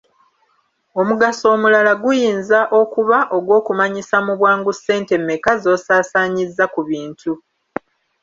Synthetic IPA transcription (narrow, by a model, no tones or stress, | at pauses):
o̞muɡaso̞ːmulalaɡujiːnzaʔo̞kuβaʔo̞ɡwo̞ːkumaɲisamuβwaːŋɡuse̞ːnte̞mːekazo̞ːsaːsaːɲizːakuβiːntʰu